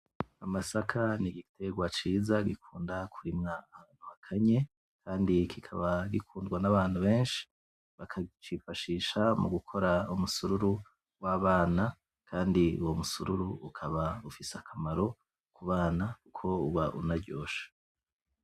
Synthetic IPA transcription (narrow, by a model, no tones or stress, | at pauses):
amasakʰaniɡitʰe̞ɡwat͡ʃiːzaɡikʰuːndakʰuɾimŋaaːn̥huhakʰaɲe̞ | kʰaːndikʰikʰaβaɡikʰuːndɡwanaβaːnhuβe̞ːnʃi̥ | βakʰat͡ʃifaʃiʃamuɡukʰo̞ɾaumusuɾuɾu | waːβaːna | kʰaːndiṵwo̞musuɾuɾuːkʰaβaufiseakʰamaɾo̞ | kuβaːnakukʰo̞uβaʔunaɾɟo̞ːʃḁ